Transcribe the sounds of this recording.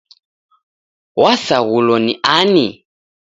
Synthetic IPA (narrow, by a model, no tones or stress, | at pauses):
wasaɣulɔniʔani